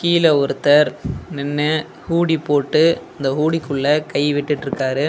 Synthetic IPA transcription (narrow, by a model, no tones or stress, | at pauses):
kiːlɐɔɾɯt̪ːɐɾnɛnːɯ | huːɽipːoːʈːɯɪnd̪ɐɦuːɽikːɯɭːɐkɐɪʋɪʈːɯʈːɾɯkːaːɾɯ